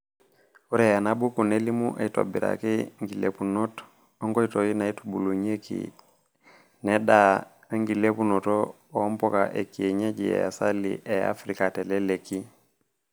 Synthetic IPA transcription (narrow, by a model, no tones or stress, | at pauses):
uɾejanabukunelimuʔaito̰biɾa̰kiŋɡilḛpunot | oŋɡoitojinaitu̥buluɲekḭ | nɛda | ŋɡilepunoto | ompoka̰ʔekieɲaɟiḛja̰salḭʔea̰fɾikateleleki